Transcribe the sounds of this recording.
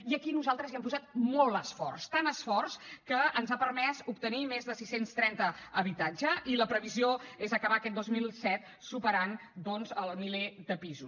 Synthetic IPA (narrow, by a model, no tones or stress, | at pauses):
iəkinuzalˠt̪ɾəziɛmpuzat̪mɔlˠəsfɔ̰rst̪anəsfɔrskəənzapərmɛsupt̪ənimezðəsisenst̪ɾɛnt̪əəβit̪ad͡ʒəiləpɾəβizioezəkəβakɛt̪̚d̪ozmilˠsɛt̪̚ | supəɾand̪ɔnzəlˠmiled̪əpizus